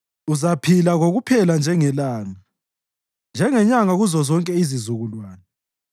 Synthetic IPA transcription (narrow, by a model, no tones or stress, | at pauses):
uzapʰilaɣoɣupʰɛland͡ʒʱɛŋɛlaːŋa | nd͡ʒʱɛŋɛɲaŋaɣuzɔzɔŋkʼɛizizuɣulwaːnɛ